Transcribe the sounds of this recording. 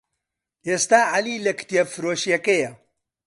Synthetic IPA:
ʔeːst̪aːʕaliːlɐkt̪ijefɨɾoːʃjɐkɐjɐ

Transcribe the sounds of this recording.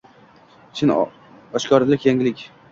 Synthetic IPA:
t͡ʃʰɪn | ɒʃkʰʲɒɾlɪkʲjaŋʲɪlɪkʲ

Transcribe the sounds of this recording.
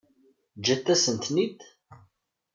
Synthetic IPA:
d͡ʒæt̪ːæsənt̪nid̪

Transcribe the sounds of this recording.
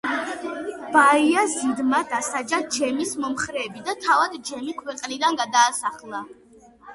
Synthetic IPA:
b̥aiazid̪mad̪asad͡ʒad͡ʒɛmismɔmχɾɛːbid̪at̪ʰavad̪d͡ʒɛmikʰwɛqʼnid̪anɡad̪aːsaχlˠa

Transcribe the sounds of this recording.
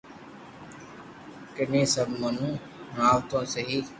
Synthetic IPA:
kɪnẽːsəbʱmən̤ũː | ɾaːʋt̪õːsəɦiː

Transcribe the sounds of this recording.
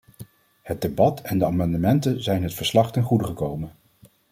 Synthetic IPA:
hət̚debɑtɛndəaːmɑndəmɛntənzɛjnɦətfəɹslɑχtɛnχudəχəkowmən

